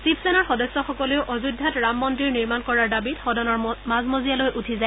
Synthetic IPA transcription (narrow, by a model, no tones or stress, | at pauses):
sipʰsɛnaɹxɔdɔsːɔxɔkɔleʊʔɔzudʱːatɹamːɔntɹiɹniɹmankɔɹaɹdabitxɔdɔnɔɹmazmozijalojʔutʰizaj